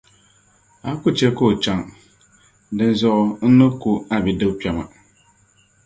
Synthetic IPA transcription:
a˨˦kʊ˦t͡ʃɛ˦koː˦˨t͡ʃa˨ŋ | dɨ˦n˦zɔ˦ʔʊ˦n̩˦nɨ˦ku˦a˦bɛ˨dɨ˦pʲɛ˨ma̰˨

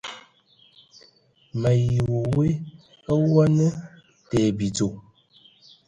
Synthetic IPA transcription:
mə˨ji˨wo˨we˦ | ə˦wɔ˦nə˦ | tɛ˨bi˨d͡zo˨

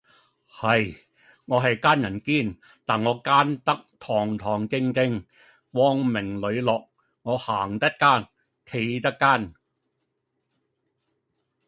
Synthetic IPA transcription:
hɐ˨j | ŋɔː˨˧ɦɐ˨jkaː˥njɐ˨˩nkiː˥˩n | t̪aː˨nŋɔː˨˧kaː˥nt̪ɐ˥k̚t̪ʰɔː˨˩ŋt̪ʰɔː˨˩ŋkɪ˧ŋkɪ˧ŋ | wɔː˧ŋmɪ˨˩ŋlɵ˨˧ɥlɔː˨k̚ | ŋɔː˨˧haː˨˩ŋt̪ɐ˥t̚kaː˥˩n | kʰe˧jt̪ɐ˥k̚kːaː˥˩n

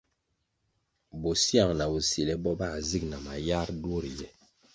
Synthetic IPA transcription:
bo˨si˦a˨ŋna˨bu˨si˨lɛ˦bɔ˦ba˦˨zi˦kna˨ma˨ja˦ɾdwo˦˨ɾjɛ˦

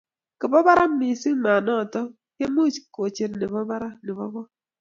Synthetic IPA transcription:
ke˨bɔ˦ba˦ɾa˦m̩˦mi˨si˦ŋ̩˦ma˨nɔ˦˨tɔ˦ | ke˦mo˦˨t͡ʃko˨t͡ʃe˦n˦ne˨bɔ˦ba˦ɾa˦nɪ˨bɔ˦bɔ˦

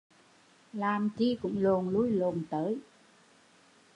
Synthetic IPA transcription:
laː˨˩mt͡ɕi˧kʊ̰˧˥ŋ͡mlo˨˩nlu˧˥jlo˨˩nt̪əː˨˦j

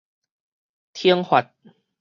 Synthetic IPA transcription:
t̪ʰi˧˦əŋhwa˨˩t̪̚

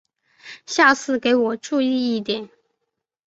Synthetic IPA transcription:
ɕja˥˧t͡sʰɹ̩˥˩ke˧˥ɪwɔ˨˩ʈ͡ʂu˥˧i˥˧i˥˩t̪jɛ˨˦n

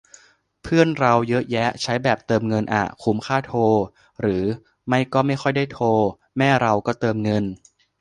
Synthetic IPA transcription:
pʰɯ˥˩ənɾa˧wjɤ˦˥ʔjɛ˦˥t͡ɕʰa˦˥jbɛː˨˩p̚t̪ɤː˧mŋɤ˧nʔa̰˨˩kʰu˦˥mkʰaː˥˩t̪ʰoː˧ | ɾɯː˩˦ | ma˥˩jkɔː˥˩ma˥˩jxʰɔ˥˩jdaː˥˩jt̪ʰoː˧ | mɛː˥˩ɾa˧wkɔː˥˩t̪ɤː˧mŋɤ˧n

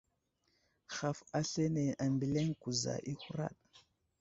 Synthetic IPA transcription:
xa˨fa˦ɬe˦ne˨a˨mbi˨le˦ŋku˨za̰˨ʔi˦xu˦ɾa̰˦˨ɗ̚

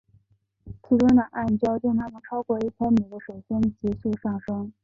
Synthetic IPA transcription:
t͡ɕʰi˧˥ʈ͡ʂwə˥nd̪ə˨˩ʔa˥˩nt͡ɕjɑ˥ʊt͡ɕjʊ˥˧ŋt̪ʰa˥mə˨nʈ͡ʂʰɑ˥ʊkwɔ˥˧i˥˩pʰja˥mi˨˩d̪ə˦ʂwe˨˩ɪɕjɛ˥nt͡ɕi˧˥su˥˧ʂɑ˥˩ŋʂɤ˥ŋ

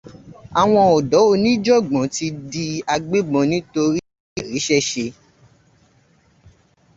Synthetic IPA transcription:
a˨w̃ɔ̃˧ɔ˨dɔ˨˦o˧nĩ˦d͡ʒɔ˦˨ɡ͡bɔ̃˨˦ti˧di˧a˧ɡ͡be˦ɡ͡bɔ̃˧nĩ˨˦to˧ɾi˦˨ | ɾi˨˦ʃɛ˦˨ʃe˧

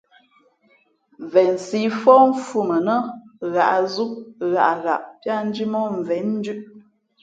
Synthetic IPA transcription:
ɱ˨vɛ˨nsi˦fɔ˦m̩˦fu˦mə˨nə˦ɣa˨ʔzu˦ɣa˨ʔɣa̰˨ʔpja˦n̩˦d͡ʒi˦mɔ˦ɱ˨vɛ˨˦nn̩˦dʉ˦ʔ

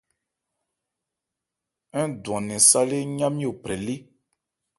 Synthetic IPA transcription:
ɛ̃˦dwã˨nɛ̃˨sa˦le˦ɲã˦mi˦o˨pɾɛ˨li˦

